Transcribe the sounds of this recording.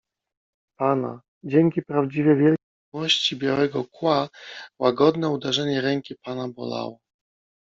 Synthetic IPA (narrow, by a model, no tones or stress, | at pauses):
pana̰ | d͡ʑɛŋkʲipɾavd͡ʑivʲjɛvʲjɛl | ɔɕt͡ɕibʲjawɛɡɔkwawaɡɔd̪nɛud̪ɛʐɛɲɛɾɛŋkʲipanabɔ̰la̰wɔ